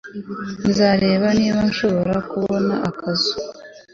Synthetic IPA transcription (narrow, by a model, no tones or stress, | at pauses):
nzaːɾe̞ːβaniːβanʃo̞βo̞ɾakuβo̞na̰ʔakʰazu̥